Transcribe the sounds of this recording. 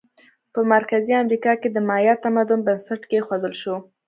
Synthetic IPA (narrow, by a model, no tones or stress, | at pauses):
pəmaɾkaziamɾikɑked̪əmɑjɑt̪amad̪ʊnbansaʈkexod̪əlʃo